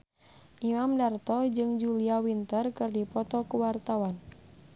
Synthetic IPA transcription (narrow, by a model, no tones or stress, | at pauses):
ʔimamdart̪ɔd͡ʒɨŋd͡ʒuliawint̪ərkɨrdipɔt̪ɔkuwart̪awan